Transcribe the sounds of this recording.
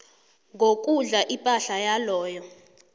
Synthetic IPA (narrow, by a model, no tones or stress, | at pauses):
ŋɡʱok̬ʼuɮaʔipʼaɬajalɔːjɔ